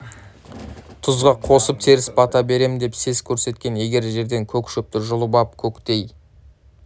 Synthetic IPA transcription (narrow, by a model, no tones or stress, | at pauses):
t̪ʰʊzʁɑqʰo̞səp̚t̪ʰe̞ɾɪspʰɑt̪ɑbe̞ɾe̞mɪnd̪e̞pse̞zkʲʰɵɾse̞t̪kʲe̞nje̞ɡʲe̞ɾʒe̞ɾd̪e̞ŋkʲʰɵkʲʃʏp̚t̪ɪʒʊlˠəbɑp̚kʲʰɵkʲt̪e̞j